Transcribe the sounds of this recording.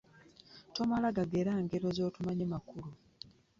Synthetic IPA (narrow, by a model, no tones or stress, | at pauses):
to̞malaɡaɡeɾaŋɡeɾo̞zo̞ːtumaɲemakulu